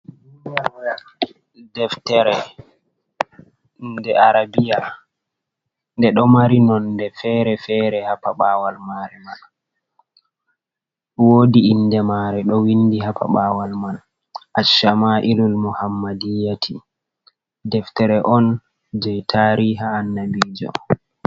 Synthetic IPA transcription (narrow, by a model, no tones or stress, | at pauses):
awja | dɛftɛɾɛ | ndɛaɾabija | ndɛɗɔmaɾinɔndɛfɛːɾɛfɛɾɛhapaɓaːwalmaɾɛmal | woːdiːndɛmaɾɛɗɔwindiɦapʰa̰ɓaːwalmal | ʔaʃamaʔilulmuhamːadijatʰi | dɛftɛɾɛʔɔn | d͡ʒɛjtʰaɾiɦaːnːabiːd͡ʒɔ̰